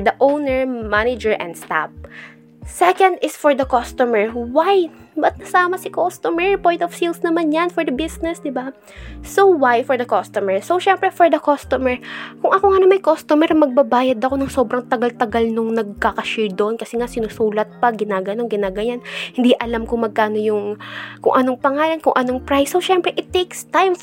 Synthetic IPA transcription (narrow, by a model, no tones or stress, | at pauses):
d̪ɐʔownɛɹmanɪd͡ʒɛɹʔɛ̰̃nd̪st̪a̰p̚ | sɛkɐnd̪ɪsfɔɹd̪ɐkost̪omɛɹwajbɐt̪̚nɐsaːmɐsɪkost̪omɛɹpɔj̃nt̪ɔfsilsnɐmanjɐnfɔɹd̪ɐbɪsnɛsd̪ɪba | sowajfɔɹd̪ɐkost̪ɔmɛɹsowʃɛmpɾɛfɔɹd̪ɐkost̪omɛɹkʊŋʔɐkoŋɐnomɐjkost̪omɛɾɐmɐɡ̚bɐbaːjɐd̪ɐko̞nɐŋso̞bɾɐŋt̪ɐɡalt̪ɐɡalnʊŋnɐɡ̚kakɐʃɛɹd̪oʔonkɐsɛŋasɪnʊsuːlɐt̪̚pɐɡɪnaːɡɐno̞nɡɪnaːɡɐɲanhɪnd̪iʔɐlamkʊŋmɐɡ̚kaːnojʊŋkʊŋʔɐno̞ŋpɐŋaːlɐnkʊŋʔɐno̞ŋpɹajsːoʃɛmpɾɛʔɪt̪ːekst̪ajm